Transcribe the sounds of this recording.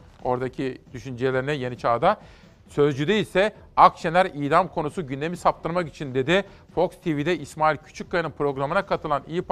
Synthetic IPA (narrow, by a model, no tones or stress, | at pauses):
o̞ɾd̪acʰid̪̥yʃynd͡ʒelʲe̞ɾinɛje̞nit͡ʃʰaːd̪a | sø̞zd͡ʒyd̪ɛisɛ | akt͡ʃʰenʲæɾiːd̪amkʰo̞nusuɟynd̪e̞misap̚t̪ʰɯɾmaki̥t͡ʃʰind̪e̞d̪ɪ | fo̞kst̪ʰivid̪ɛismaːilʲcʰy̥t͡ʃʰyc̚kːaɯnɯnpɾo̞ɡɾamɯnakʰat̪ʰɯlˠanijip